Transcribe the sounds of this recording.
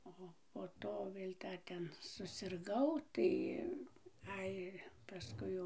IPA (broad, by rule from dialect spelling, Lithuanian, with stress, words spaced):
ˈoː poː ˈtoː ˈʋʲeːlʲ ˈdɐr ˈtʲɛn sʊsʲɪrˈɡɐʊ ˈtɐɪ ˈɐɪ pɐˈskʊɪ jɛʊ